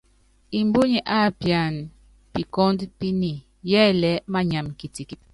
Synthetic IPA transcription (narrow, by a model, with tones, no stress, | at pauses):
i˨mbu˦ɲi˨ʔa˦˨pja˨n | pi˨kɔ˦ndpi˦ni˨ | jɛ˦lɛ˨˦ma˦ɲa˨mki˨ti˨ki˨t̚